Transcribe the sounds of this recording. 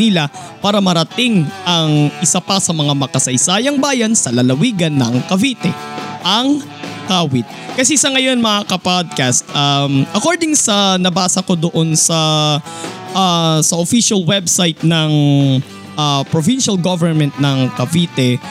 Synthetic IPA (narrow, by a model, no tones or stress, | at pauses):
ila | paːɾɐmɐɾɐt̪ɪŋʔɐŋʔɪsapɐsɐmɐŋamɐkɐsɐjsaːjɐŋbaːjɐnsɐlɐlɐwiːɡɐnːɐŋkɐviːt̪ɛ | ʔɐŋ | kaːwɪt̪̚kɐsɛsɐŋɐjo̞nmɐŋakɐpad̪̚kast̪̚ʔɐmʔɐkoɹd̪ɪŋsɐnɐbaːsɐko̞d̪oʔo̞nsɐ | ʔasɐʔofiʃɐlwɛbsajt̪̚nɐŋ | ʔapɾovinʃɐlɡovɛɹmɛnt̪̚nɐŋkɐviːt̪ɛ